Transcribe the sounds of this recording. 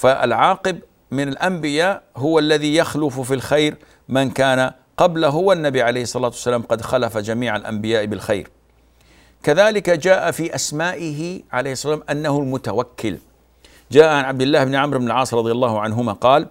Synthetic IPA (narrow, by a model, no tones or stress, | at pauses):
faʔa̰lʕaːqɪb | mɪnalʔambɪjaːʔɦʊwalːaðijaxlʊffilxajɾ | mankaːna | qɑblaɦʊwanːabiʕalejhɪsˤːɑlaːt̪wasːalaːmqɑd̪xalafad͡ʒamiːʕalʔa̰mbɪjaːʔbɪlxajɾ | kaðaːlɪkad͡ʒaːʔafiʔasmaːʔɪɦɪʕalejhɪsˤːɑlaːmʔanːahʊlmʊt̪awakʰːɪl | d͡ʒaːʔaʕanʕab̚d̪ɪlːaːhɪbnɪʕamɾɪbnɪlʕɑːsˤɾˤɑd̪ˤjalˤːɑːhʊʕanɦʊmaqɑːl